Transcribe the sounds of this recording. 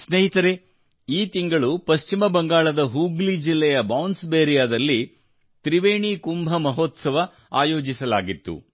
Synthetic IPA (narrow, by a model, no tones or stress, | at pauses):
sneɦit̪ɐɾe | iːt̪iŋɡɐɭupɐʃt͡ʃimɐbɐŋɡaːɭɐd̪ɐɦuːɡlid͡ʒilːɛjɐbɐwnsbeːɾijaːd̪ɐlːi | t̪ɾiʋeːɳikumbʱɐmɐɦoːt̪sɐʋɐ | aːjo̞ːd͡ʒisɐla̰ːɡit̪ːṵ